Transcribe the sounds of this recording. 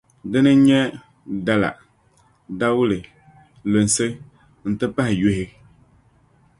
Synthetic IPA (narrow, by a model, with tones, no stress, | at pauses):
dɨ˦nɨ˦ɲɛ˦ | da˨˦la̰˨ | da˦wʊ˦lɨ˨ | lo˨n˨sɨ˦ | n̩˨tɨ˦pa˦hɪ˨jo˦ɦɪ˦